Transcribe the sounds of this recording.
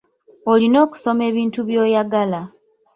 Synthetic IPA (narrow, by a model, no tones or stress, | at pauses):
olino̞ːku̥so̞me̞ːβiːntuβjo̞ːjaɡala